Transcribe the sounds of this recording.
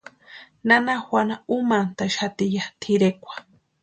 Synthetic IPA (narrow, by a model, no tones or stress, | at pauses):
nanaxʷanaumant̪aʃat̪ijat̪ʰiɾekʷḁ